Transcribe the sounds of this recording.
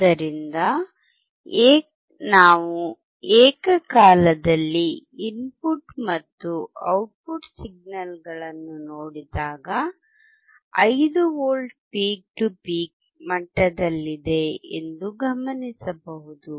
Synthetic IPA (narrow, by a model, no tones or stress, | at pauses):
ɐɾind̪ɐ | eːk | naːʋu | eːkɐkaːlɐd̪ɐlːiimpuʈmɐt̪ːuɐwʈ̚puʈsiɡ̚nɐlɡɐɭɐnːunoːɽid̪aːɡɐ | ɐjd̪uoːlɖpiːk̚ʈupiːk̚ | mɐʈːɐd̪ɐlːid̪e̞ḛnd̪uɡɐmɐnisɐbɐɦud̪u